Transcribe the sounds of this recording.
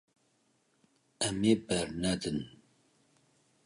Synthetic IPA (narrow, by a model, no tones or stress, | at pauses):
ɛmeːbɛɾnɛd̪ɨn